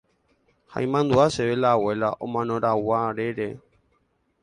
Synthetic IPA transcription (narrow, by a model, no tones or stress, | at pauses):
ha̰ĩmãnd̪uaʃeʋelawe̞laʔõmãnõɾawaɾeɾe